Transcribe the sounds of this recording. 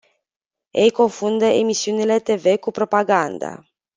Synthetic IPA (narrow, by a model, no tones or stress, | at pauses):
ejko̞nfund̪əe̞misiunile̞t̪e̞ve̞kupɾo̞paɡand̪a̰